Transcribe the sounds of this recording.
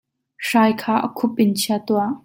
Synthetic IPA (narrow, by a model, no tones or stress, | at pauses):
ʂaːjkʰaːʔə̰kʰʊp̚ʔɪnt͡ɕʰiat̪uaʔ